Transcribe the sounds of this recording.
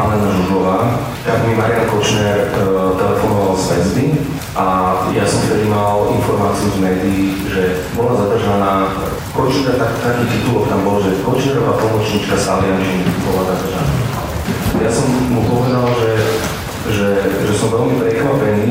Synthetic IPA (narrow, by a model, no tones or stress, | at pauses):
alɛnaʒuʒɔʋaː | t̪aɡmimaɾɪankɔt͡ʃnɛɾt̪ɛlɛfɔnɔʋalzʋɛzb̪i | ʔajasɔmft̪ɛd̪imalinfɔɾmaːt͡siuzmɛːd̪iː | ʒɛ | bɔlazad̪r̩ʒanaː | kɔt͡ʃikat̪akt̪akiːt̪it̪ulɔkt̪ambɔlʒɛkɔt͡ʃnɛɾɔʋapɔmɔt͡ʃɲit͡ʃkasaliant͡ʃibɔlazad̪r̩ʒana̰ːa̰ | jasɔmːupɔʋɛd̪alʒɛ | ʒɛʒɛsɔmʋɛlmipɾɛkʋapɛniː